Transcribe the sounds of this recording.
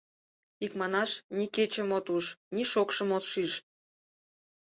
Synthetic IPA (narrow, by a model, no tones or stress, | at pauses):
ikmɑnɑʃniket͡ɕə̆mot̪uʃnʲiʃokʃəmot̪ʃiʃ